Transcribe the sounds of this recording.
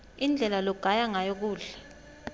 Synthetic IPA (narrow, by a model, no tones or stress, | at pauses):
ind͡ɮʱɛlalɔɡ̥ʱajaŋajok̬uːɮɛ